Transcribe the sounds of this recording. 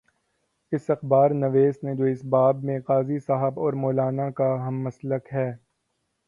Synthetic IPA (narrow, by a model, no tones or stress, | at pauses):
ɪsɐxbaːɾnɐʋeːsned͡ʒoːɪsbaːbmẽqaːzisaɦəbɔːɾmoːlaːnakaɦɐmːɐsləkɦɛː